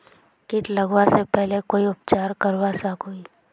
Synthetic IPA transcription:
kɪt̪ləɡwasepɛɦlekoːiʊpt͡ʃaːɾkəɾwasakoːi

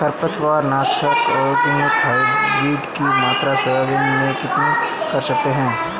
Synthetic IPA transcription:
kʰɐɾpət̪ʋaːɾnaːʃəkɔːɾb̪ɪmʊt̪ɦaːɪbɾiːɖkimaːt̪ɾasɐbabenmẽkɪt̪nekɐɾsɐk̚t̪eɦɛ̃ː

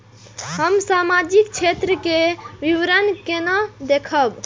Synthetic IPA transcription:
ɦəmsamad͡ʒikt͡ʃʰet̪ɾəkeʋiʋɾənkenad̪ekʰəb

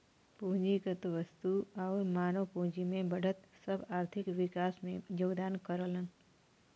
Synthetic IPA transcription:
puɦd͡ʒikət̪oʋəst̪uaʋumaːnopũɦd͡ʒimẽbəɽʱət̪səbaːɾt̪ʰɪkʋɪkasmẽjoːɡd̪ankəɾələn

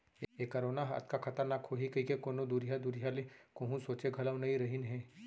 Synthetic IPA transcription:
ekɐɾoːnaɦɐ̰t̪̚kakʰɐt̪əɾnaːkhoːɦikɐikekoːnod̪uɾijad̪uɾijalekõːɦũsoːt͡ʃeɡʱɐləʋnɐɦĩɾɐɦinɦɛ̃ː

